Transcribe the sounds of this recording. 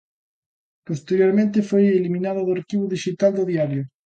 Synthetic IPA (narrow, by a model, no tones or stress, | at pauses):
post̪eɾjoɾmẽnt̪efojelimĩnaðʊðoaɾkiβoðiʃit̪ald̪ʊðiaɾjʊ